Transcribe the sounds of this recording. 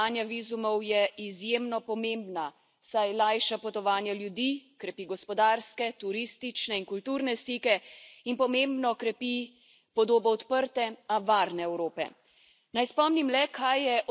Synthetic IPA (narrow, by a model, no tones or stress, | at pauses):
anjaʋizumɔwjɛizjemnɔpɔmembna | sajlajʃapɔt̪ɔʋaːnjaljud̪ikɾɛpiɡɔspɔd̪aɾskɛt̪uɾist̪it͡ʃnɛinkult̪uːɾnɛst̪iːkɛinpɔmembnɔkɾɛpi | pɔd̪oːbɔɔt̪pəɾt̪ɛaʋaɾnɛɛwɾoːpɛ̰ | najspɔmnimlɛkʰajːɛʔɔ